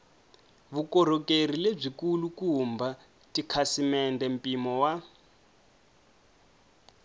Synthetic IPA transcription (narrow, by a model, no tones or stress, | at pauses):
βukɔɾɔkerileb͡ʐikulukumbʱa | tikʰasimɛndɛm̩pʼimɔwa